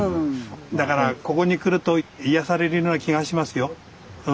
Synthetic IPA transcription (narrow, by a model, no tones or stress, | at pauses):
d̪akaɾako̞ko̞ɲ̟ikɯ̟ɾɯ̟t̪o̞ijasaɾe̞ɾɯ̟jo̞ːnakʲiɡaɕimasɨjo̞ | ɯ